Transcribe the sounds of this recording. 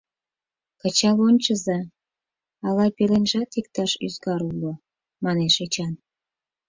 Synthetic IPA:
kə̆t͡ɕɑlonʲt͡ɕəzɑ | ɑlɑjpelenʒɑt̪ik̚t̪ɑʃyzɡɑɾulːo | mɑneʃet͡ɕɑn

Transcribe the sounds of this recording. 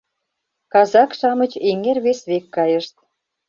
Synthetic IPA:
kɑzɑkʃɑmə̆t͡ɕeŋerβesβekːɑjə̆ʃt̪̚

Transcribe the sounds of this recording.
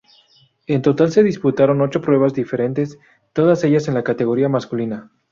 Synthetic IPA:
e̞nt̪o̞t̪alse̞ðisput̪aɾo̞no̞t͡ʃo̞pɾwe̞β̞azðife̞ɾe̞nt̪es | t̪o̞ð̞ase̞ʝase̞nlakat̪e̞ɣo̞ɾiamaskulina

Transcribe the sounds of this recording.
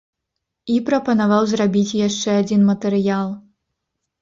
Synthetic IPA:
ipɾɐpɐnavawzrabʲit͡sʲjaʂt͡ʂɛad͡zʲinmɐt̪ɨɾɨjalˠ

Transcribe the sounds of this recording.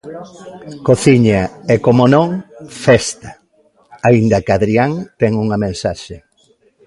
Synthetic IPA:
koθiɲaɛkomonõŋfɛst̪ɐ̥ | aind̪ɐkaðɾiaŋt̪ɛŋuŋɐmẽnsaʃe

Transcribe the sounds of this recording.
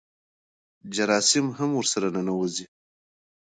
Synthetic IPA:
d͡ʒaɾɑːsɪmɦamwʊɾsaɾananawozi

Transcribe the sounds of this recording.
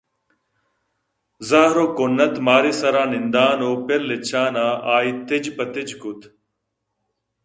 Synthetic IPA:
zaːɦɾoːkonːɐt̪maːɾiːsɐɾaːnɪnd̪aːnoːpɪɾlet͡ɕʰaːnaːaːit̪ɪd͡ʑpɐt̪ɪd͡ʑkʊt̪

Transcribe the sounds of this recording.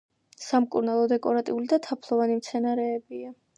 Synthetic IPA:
samkʼuɾnalˠɔd̪ɛkʼɔɾat̪ʼiulid̪at̪ʰapʰlˠɔvanimt̪sʰɛnaɾɛːbia

